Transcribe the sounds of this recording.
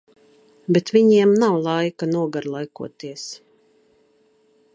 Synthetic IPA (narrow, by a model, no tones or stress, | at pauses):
bɛt̪vʲiɲiɛmnawlˠajkanuɔɡaɾlˠajkuɔt̪iɛs